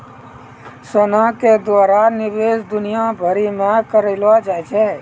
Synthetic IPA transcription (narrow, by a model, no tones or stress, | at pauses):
sənãked̪waːɾanɪʋeːsd̪ʊnijãbʱəɾimẽkəɾelʋad͡ʒaːɛt͡ʃʰɛ̃